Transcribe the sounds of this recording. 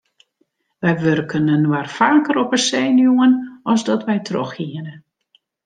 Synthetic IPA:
ʋɛjʋørkʰənənwarfaːkəɾɔpəseːnjuənɔzdɔtʋɛjtʰroxhiənə

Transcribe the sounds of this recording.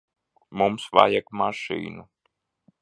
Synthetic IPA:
mumsva̰jakmaʃḭːnu

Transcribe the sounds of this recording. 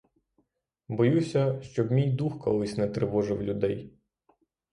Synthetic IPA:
bɔjusʲɐʃt͡ʃɔbmʲijd̪uxkɔlˠɪsʲnɛt̪ɾɪʋɔʒɪwlʲʊd̪ɛj

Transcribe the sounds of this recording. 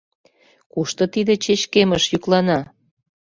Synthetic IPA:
kuʃt̪ɤ̆t̪id̪et͡ɕet͡ɕkeməʃjyklɑnɑ

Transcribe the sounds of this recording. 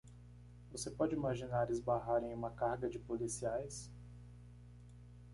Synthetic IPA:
vosepɔd͡ʒɪimaʒinaɾɪzbaɦaɾẽj̃ũmɐkaɾɡɐd͡ʒɪpolisiajs

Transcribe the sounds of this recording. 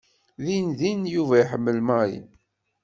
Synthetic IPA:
ðinðinjuvæiħəmːəlmaɾḭn

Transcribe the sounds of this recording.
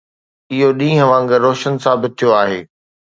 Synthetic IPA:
ɪɦoɗĩːɦə̃ʋãːŋɡəɾoːʃənsaːbɪt̪̚t̪ʰːijoaːɦeː

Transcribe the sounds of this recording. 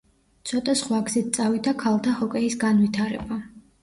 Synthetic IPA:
t̪sʰɔt̪ʼasχwaɡzit̪̚tsʼavid̪akʰalˠt̪ʰahɔkʼɛisɡanvit̪ʰaɾɛ̰ba

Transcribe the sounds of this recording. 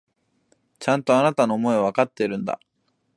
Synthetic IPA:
t͡ɕãnt̪o̞anat̪ano̞ːmo̞eβ̞akat̪ːe̞iɾɯ̟̃nd̪a̰

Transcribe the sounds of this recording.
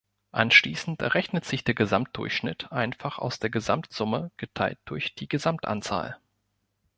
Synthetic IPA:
ʔanʃliːsn̩tɛʁɛçnətz̥ɪçd̥eːɐɡəzamt̚d̥ʊ̰ɐçʃnɪ̰tʔaɪnfaχa̰ʊsd̥eːɐɡəzamtz̥ʊməɡ̥ətʰaɪlt̚d̥ʊɐçd̥iːɡəzamtʔa̰nt͡sa̰ːl

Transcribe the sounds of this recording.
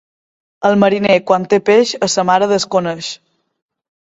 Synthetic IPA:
əlˠməɾinekwant̪epeʃəsəmaɾəðəskonəʃ

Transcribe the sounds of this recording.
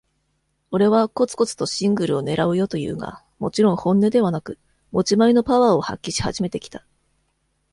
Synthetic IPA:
o̞ɾe̞βako̞t͡sɨ̥ko̞t͡sɨ̥t̪o̞ɕĩŋɡɯ̟ɾɯ̟o̞ne̞ɾaɯ̟jo̞t̪o̞jɯ̟̰ːɡa̰ | mo̞t͡ɕiɾõ̞ɰ̃hõ̞nːe̞d̪e̞β̞anakɯ̟ | mo̞t͡ɕimaino̞paβaːo̞ha̰kʲːiɕi̥ha̰ʑime̞t̪e̞kʲi̥t̪a

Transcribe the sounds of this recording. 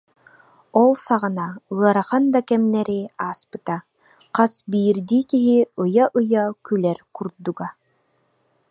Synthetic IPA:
ɔlˠsaʁɯnaɯɐɾaχand̪akɛmnɛɾiaːspɯ̥t̪a | qasbiːɾd̪iːkiɦiɯjaʔɯjakylɛɾkuɾd̪uɡa

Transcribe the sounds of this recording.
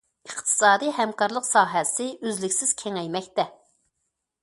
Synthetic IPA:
əqt̪ʰɨ̥sɑːd̪ɨɦɛmkɑɾlˠəqsɑːɦɛsɪʔøzlɪkʲsɪz̥kʲʰɛŋɛjmɛkʲt̪ɛ

